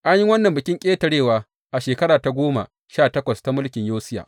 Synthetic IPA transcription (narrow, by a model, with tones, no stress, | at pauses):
ʔa˦ɲji˦wɐ˦nːɐ˨mbɪ˨kʲɪ˦ŋkʲʼeː˦tɐ˨ɽeː˦˨waː˨ | ʔa˨ʃeː˨kɐ˦ɽaː˨ta˨ɡʷoː˦ma̰˨ | ʃaː˦˨tɐ˦kʷɐ˨sta˨mʊ˦lkʲɪ˨ɲjoː˦sɪ˦ja̰ː˨ʔ